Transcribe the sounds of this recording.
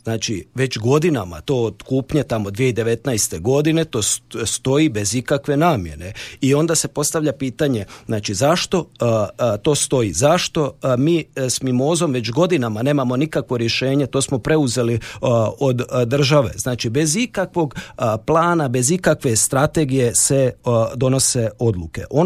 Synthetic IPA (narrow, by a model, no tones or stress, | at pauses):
znaːt͡ʃiʋe̞t͡ʃɡo̞d̪inama̰t̪o̞ːd̪̥kuːpɲet̪amo̞d̪ʋijeid̪e̞ʋe̞t̪najst̪e̞ɡo̞d̪ine̞t̪o̞ːst̪o̞ibe̞zikakʋe̞naːmje̞̰neio̞nd̪ase̞po̞st̪aʋʎapiːt̪aɲe̞znaːt͡ʃizaʃt̪o̞ | t̪o̞ːst̪o̞izaʃt̪o̞miːsmimo̞ːzo̞mʋe̞t͡ʃɡo̞d̪inamane̞ːmamo̞nikakʋo̞ɾje̞ʃe̞ːɲe̞t̪o̞ːsmo̞pɾe̞uze̞liod̪d̪r̩ʒaʋe̞̰znaːt͡ʃibe̞zikakʋo̞ɡplˠaːnabe̞zikakʋe̞st̪ɾat̪e̞ɡije̞sed̪o̞no̞se̞o̞d̪lˠuke̞̰ʔo